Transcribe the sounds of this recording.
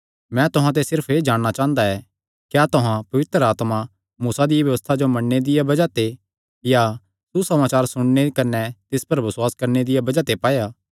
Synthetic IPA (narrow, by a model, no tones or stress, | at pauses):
mɛ̃t̪ʊɦãt̪̬esɪɾpʰeːd͡ʒaːɽɽ̃at͡ʃãːɦə̃nd̪aɛ | kjaːt̪ʊɦãpɐʋɪt̪ɾəaːt̪ma | muːsad̪ɪjabʋjɐʋəst̪ʰad͡ʒomɐɽned̪ɪjabɐd͡ʒat̪e | ja | susɐmaːt͡ʃaːɾsʊɽ̃nekɐnɛt̪ɪspɐɾbɐsʊwaːskɐɾned̪ɪjabɐd͡ʒat̪epaːjaː